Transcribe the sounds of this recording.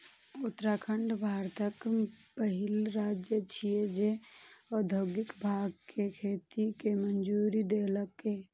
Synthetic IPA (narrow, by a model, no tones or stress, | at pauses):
ʊt̪ːɾakʰəɳɖbʱaːɾt̪əkpəɦɪlɾaːd͡ʒjət͡ʃʰijed͡ʒeɔd̪ʱoɡɪkbʱaːɡ̚kekʰeːt̪ikemənd͡ʒuːɾid̪eːləkːe